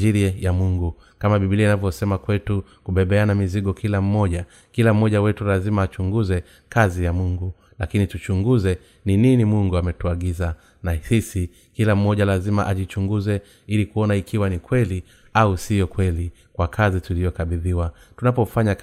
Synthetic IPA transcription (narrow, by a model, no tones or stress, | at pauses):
iɾiajamuŋɡu | kamaɓiɓilianavjɔsɛmakwɛtukuɓɛɓɛanamiziɡɔkʰilam̩mɔɟa | kilam̩mɔʄawɛtulazimaːt͡ʃuŋɡuzɛ | kazijamuŋɡu | lakinitut͡ʃuŋɡuzɛ | nininimuŋɡuamɛtuaɡiza | nasisi | kilam̩mɔʄalazimaʔaʄit͡ʃuŋɡuzɛ | ilikuɔnaikʰiwanikwɛli | ausijɔkwɛli | kwakʰazitulijɔkaɓiðiwatunapɔfaɲa